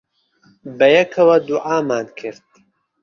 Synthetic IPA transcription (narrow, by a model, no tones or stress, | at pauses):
bɐjɐkʰɐwɐd̪uʔaːmaːnkʰɨɾd̪̥̚